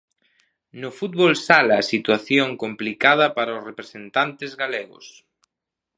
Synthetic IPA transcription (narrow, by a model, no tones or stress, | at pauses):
nʊfut̪̚βolsalaːsit̪waθjoŋkomplikað̞ɐpaɾaʊsrepɾesent̪ant̪ezɣaleɣʊ̰s